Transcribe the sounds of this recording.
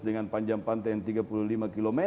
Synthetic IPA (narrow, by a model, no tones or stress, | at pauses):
dəŋanpaɲd͡ʒaŋpant̪ajaŋt̪iɡapululimakilomɛ